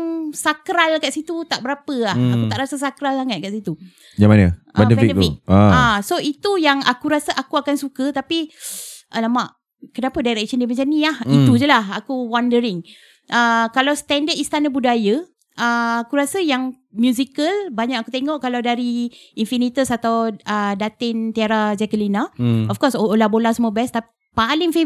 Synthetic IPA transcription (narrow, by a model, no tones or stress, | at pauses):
ŋsakɾalkaʔsit̪ut̪aʔbəɾapəahakut̪aʔɾasas̬akɾalsaŋət̪̚kaʔsit̪u | d͡ʒamanə̰ | bɛdəfbɛikdəik̚aasoit̪ujaŋa̰kuɾasəʔakuakansukət̪apiʔnamaʔ | kənapədajɾɛk̚ʃəndiməɲt͡ʃaniahit̪ud͡ʒəlahakuwandəɾɪŋ | ʔəkalawst̪ɛndəd̪ist̪anabudajə | əakuɾasəjaŋ | mjuzikəlbaɲakakut̪eŋɔʔkalawdaɾiinfinit̪əsat̪awədat̪ɪnt̪iaɾad͡ʒɛkəlinaɔfkɔsoolabolasəmɔbɛst̪api | palɪŋfe